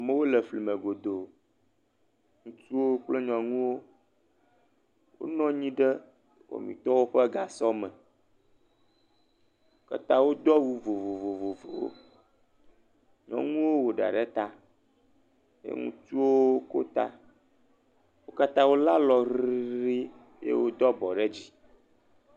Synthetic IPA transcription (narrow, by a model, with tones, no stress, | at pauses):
a˨mẽ˦wo˦lə˨fli˨mẽ˨ɡo˨d̪o˨ | ŋũ˦t͡ʃu˦wo˦k͡ple˦ɲɔ̃˨ŋũ˦wo˦ | wo̰˦nɔ̃˦ɲĩ˦ɖə˦ | wo̰˨mḭ̃˨t̪ɔ˦wo˦ɸɛ˦ɡa˨sɔ˦mɛ̃˨ | o˦ka̰˦t̪a˦wo˦d̪ɔ˦wu˦vo˨vo˨vo˨vo˨vo˨wo̰˦ | ɲɔ̰̃˨ŋũ˦wo˦wo˨ɖa̰˨ɖɛ˦t̪a˦ | jḛ˦ŋṵ̃˦t͡ʃu˦wo˦ko̰˦t̪a̰˦ | wo˦ka˦t̪a˦wo˦la˦lɔ˨ɾii˦ɾi˦ | jḛ˦wo˦d̪ɔ˦bɔ˨ɖe˦d͡ʑi˦